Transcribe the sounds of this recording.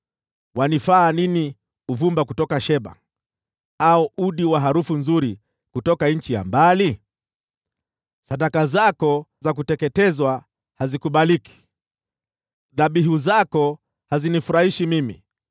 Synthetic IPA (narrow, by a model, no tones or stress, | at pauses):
wanifaːnini | uvumbakutɔkaʃɛɓa̰ | aɔʔuɗiwaɦaɾufunzuɾi | kutɔkaɲ̩t͡ʃija̰mbali | saɗakazakɔzak̬utɛkɛtɛzwa | hazikuɓaliki̥ | ðaɓiɦuzakɔ | hazinifuɾahiʃimimḭ